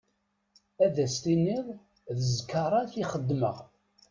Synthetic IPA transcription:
æðæst̪iniðˤ | ðəzkːəɾˤɑθiχəd̪ːməʁ

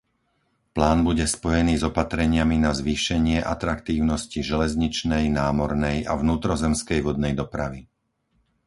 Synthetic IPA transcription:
plaːnbuɟɛspɔjɛniːzɔpat̪ɾɛɲɪaminazʋiːʃɛɲɪɛʔa̰t̪ɾakt̪iːʊnɔsciʒɛlɛzɲit͡ʃnɛjnaːmɔɾnɛja̰vnuːt̪ɾɔzɛmskɛjʋɔd̪̚nɛjd̪ɔpɾaʋi

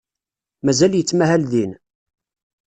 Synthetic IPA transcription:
mæzæljət͡sːmæɦælðin

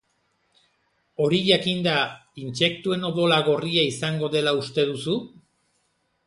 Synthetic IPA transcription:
o̞ɾiʝakind̪ainse̞kt̪ue̞no̞ðo̞laɣo̞riaisaŋɡo̞ðe̞laust̪e̞ð̞usu

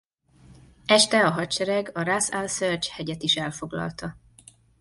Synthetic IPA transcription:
ɛʃt̪ɛɒɦɒtt͡ʃɛɾɛɡɒrasalsørt͡ʃhɛɟɛt̪iʃɛlfo̞ɡlɒ̰lt̪ɒ

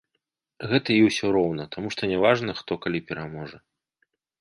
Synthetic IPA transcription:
ɣɛt̪ɐiwsʲɔɾɔwn̪ɐt̪amuʂt̪ɔnʲɛvaʐnɐxt̪ɔkalʲipʲɛɾamɔʐɐ

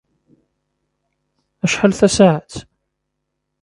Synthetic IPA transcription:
æʃħəlθæsaʕat̪

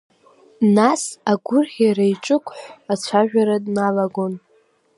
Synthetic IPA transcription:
nasaɡʷʊrχʲaɾajʈ͡ʂʼɨkʷʰʼħʷat͡ɕʷʰaʒᶣaɾadnalaɡʷon

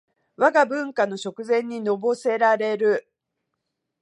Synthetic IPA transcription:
βaɡabɯ̟̃ŋkano̞ɕo̞kɯ̟zẽ̞ɲ̟ːino̞bo̞se̞ɾaɾe̞ɾɯ̟

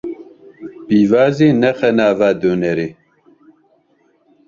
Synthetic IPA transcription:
biːvaːzeːnɛxɛnaːvaːd̪onɛɾeː

